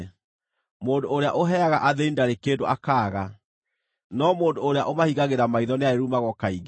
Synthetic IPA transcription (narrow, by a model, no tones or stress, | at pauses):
moːndoːɾeaʔoɦɛaɣaʔaðeindaɾekeːndoʔakaːɣa | nɔmoːndoːɾeaʔomahiɣaɣeɾamaiðɔneaeɾumaɣɔkaiɣ